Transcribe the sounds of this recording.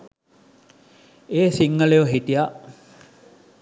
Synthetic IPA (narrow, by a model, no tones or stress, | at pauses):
eːsiŋːəlejoɦit̪ija